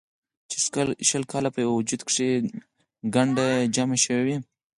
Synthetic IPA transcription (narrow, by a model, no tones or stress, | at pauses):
t͡ʃe̥sklʃəlkʰɑlapəjwwd͡ʒud̪kʂe | ɡaɳɖad͡ʒameʃəwewi